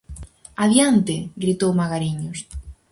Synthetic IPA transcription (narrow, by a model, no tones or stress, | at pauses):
aβjant̪eɡɾit̪owmaɣaɾiɲos